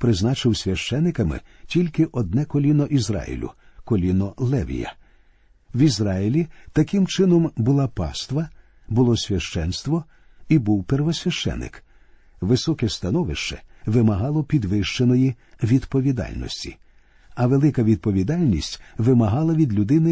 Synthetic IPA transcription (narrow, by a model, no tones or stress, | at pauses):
pɾɪznɑt͡ʃɪwsʲʋʲɐʃt͡ʃɛnːɪkɐmɪ̰tʲilʲkɪʔɔd̪̚nɛkɔlʲinɔʔizɾɑ̰jḭlʲʊ̰ | kɔlʲinɔlˠɛʋʲḭjɐ̰ | wizɾɑjilʲit̪ɐkɪmt͡ʃɪnɔmbʊlˠapɑ̰st̪ʋɐ | bʊlˠɔsʲʋʲɐʃt͡ʃɛnst̪ʋɔ | ibuwperʋɔsʲʋʲɐʃt͡ʃɛ̰nɪ̰k | ʋɪsɔkɛst̪ɐnɔʋɪʃt͡ʃɛʋɪmɐɦɑlˠɔpʲid̪ʋɪʃt͡ʃenɔji | ʋʲid̪pɔʋʲid̪ɑ̰lʲnɔ̰sʲtʲi̥̰ | ɐʋelˠɪkɐʋʲid̪̚pɔʋʲid̪ɑlʲnʲisʲtʲʋɪmɐɦɑlˠɐʋʲid̪lʲʊd̪ɪnɪ